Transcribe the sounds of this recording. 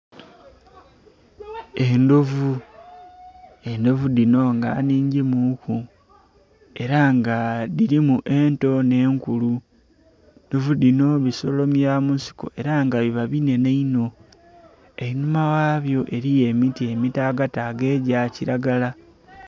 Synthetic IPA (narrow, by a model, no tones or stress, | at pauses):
endovu | e̞ndo̞vudino̞ŋɡa̰ːniːɲɟimuku | e̞ɾaŋɡadiɾimuʔe̞nto̞ne̞ːŋkulu | ndovudino̞βiso̞lo̞mjamunsi̥ko̞̰ʔe̞ɾaŋɡaβiβaβine̞neino̞ | einumawaːβjo̞ʔe̞ɾije̞mitie̞mitaːɡataɡe̞ːɟaciɾaɡala